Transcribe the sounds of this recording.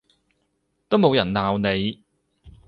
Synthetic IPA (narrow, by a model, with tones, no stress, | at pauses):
t̪o˥wmo˨˧wjɐ˨˩nnaː˨wne˨˧j